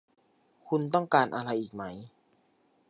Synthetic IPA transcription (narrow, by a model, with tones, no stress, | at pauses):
kʰu˧nt̪̬ɔ˥˩ŋkaː˧nʔaː˧ɾa˧jʔiː˨˩k̚ma˦˥j